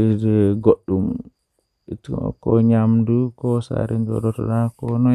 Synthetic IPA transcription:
idɛɡoɗːum | itkɔɲamdukɔsa̰ɾind͡ʒɔ̰dɔtɔ̰dakɔnɔ

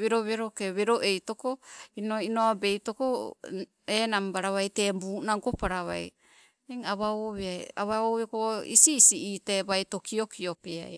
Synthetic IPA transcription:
βeɾoβeɾokeβeɾoʔe̞jto̞ko̞inoinoabe̞jto̞ko | enambaɾaβajte̞buːnaŋko̞paɾaβa̰j | iŋaβaoβeaja̰βaoβekoḭsiːsiiːtebajto̞kʰio̞kʰio̞pea̰j

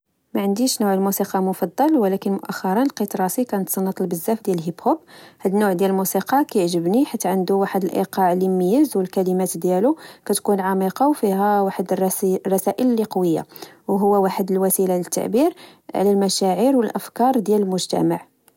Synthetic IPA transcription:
mæʕənd̪iʃnʊʕəlmusiqɑmʊfɑd̪ˤːɑlwəlækənmʊʔæxːɑɾˤɑnəlqit̪ɾˤɑsikænət̪sɑnːət̪ˤəlbəzːæfd̪jælɦibhobhæd̪nːʊʕd̪jæləlmusiqɑkæjəʕʒəbniħit̪ːʕənd̪uwaħəd̪əlʔḭqɑʕlimːəjəzwəlkælimæt̪d̪jælukæt̪kunʕɑmiqɑwfiɦæwaħəd̪rˤːɑsæʔəllːiqɑwəjːa̰wɦʊwːæwaħəd̪əlwæsilalət̪ːa̰ʕbiɾʕ̰lælmæʃæʕiɾwəlʔəfkɑɾˤd̪jæləlmʊʒt̪æ̰maʕ

